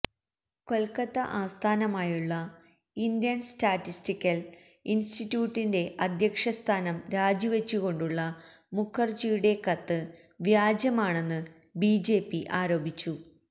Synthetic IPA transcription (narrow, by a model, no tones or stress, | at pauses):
ko̞lkɐt̪ːɐʔaːst̪ʰaːnɐmaːjuɭːɐ | ind̪jɐnstaːtːistikʲːɐl | institːjuːʈːinde̞ʔɐd̪ʱjɐkʂɐst̪ʰaːnɐmɾaːd͡ʑuʋe̞t͡ɕːuɣo̞ɳɖuɭːɐ | mukʰːɐrt͡ɕijuɽe̞kɐt̪ːɨ | ʋjaːd͡ʑjɐmaːɳe̞nːɨ | biːd͡ʑe̞ːpːiʔaːɾo̞ːbʱit͡ɕːu